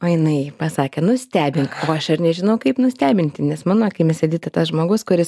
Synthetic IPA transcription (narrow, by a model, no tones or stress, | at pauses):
oːjɪnɐɪpɐsɑːkʲeːnʊsʲt̪ʲæːbʲɪŋkoːɐʃɐɾnʲɛʒʲɪnɐʊkɐɪpnʊsʲt̪ʲæːbʲɪnʲt̪ʲɪnʲɛsmɑːnoːkɐɪmʲɛsʲɛdʲiːt̪ɐt̪ɐsʒmoːɡʊskʊɾʲɪs